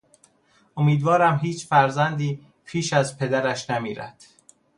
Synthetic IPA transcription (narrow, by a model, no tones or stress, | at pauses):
ʔomiːd̪vɒːɾæmɦiːt͡ʃʰfæɾzænd̪iː | pʰiːʃæzpʰe̞d̪æɾæʃnæmiːɾæ̰d̪̥